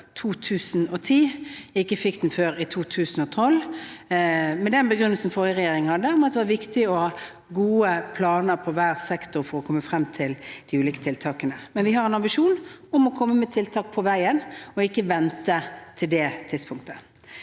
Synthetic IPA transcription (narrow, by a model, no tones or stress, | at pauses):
t̪ʰuːt̪ʰʉːsn̩ɔt̪ʰiːɪkːəfɪkd̪n̩føːɾɪt̪ʰuːt̪ʰʉːsn̩ɔt̪ʰɔlː | mɛd̪ɛnbəɡɾʏnːəlsn̩fɔʁjəʁɛjeːɾɪŋhɑd̪ːəʊmɑt̪d̪ɛʋɑɾʋɪkt̪ɪɔhɑː | ɡuːəpʰlɑːnəɾpʰɔʋæːʁsɛkt̪ʊɾfɔɾɔkʰɔmːəfɾɛmt̪ʰɪld̪̥ɪʉːliːkə̥t̪ʰɪlt̪ʰɑːkənəmɛnʋɪhɑɾɛnɑmbɪʃuːnʊmɔkʰɔmːəmɛt̪ʰɪlt̪ʰɑːk̚pʰɔʋæɪənɔɪkːəʋɛnt̪ət̪ʰɪld̪ɛːt̪ʰɪd̪spʰʊŋk̚t̪ə